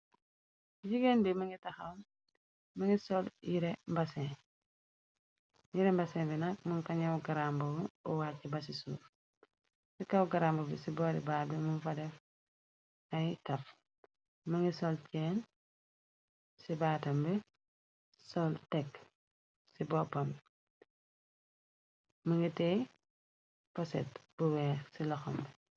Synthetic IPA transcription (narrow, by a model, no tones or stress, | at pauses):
ɟiɡɛnbimɐŋɡitɐxɐwm | mɐŋɡisɔljiɾɛmbɐsɛ̃ | jiɾɛmbɐsɛːbinɐk̚muŋkɐɲɐwɡɐɾambɐɔwacːɛbɐs̬isṵːɾ | sikɐwɡɐɾambɐbisibɔːɾḭbaːbɛmunfɐdɛf | ɐjtɐf | mɐŋɡisɔlcɛn | sibaːtɐmbɛ | sɔltɛk | sibɔpːɐm | mɐŋɡitɛ | pɔsɛ̰t̚b̥uwɛːsilɔxɔmbɛ